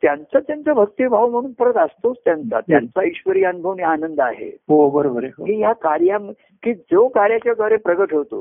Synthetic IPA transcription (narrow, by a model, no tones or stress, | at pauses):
t̪jant͡sat̪jant͡səbʱək̚t̪ibʱaʋm̤əɽ̃uːnpəɾət̪ast̪ost̪jant͡sa̰t̪jant͡saiɕʋəɾiːənubʱəʋnjaːnənd̪a̰ɦḛɦobəɾobəɾeɦokiːɦjakaɾjam | kiːd͡zokaɾjat͡ɕjaɡaɾepɾəɡəʈɦot̪o̰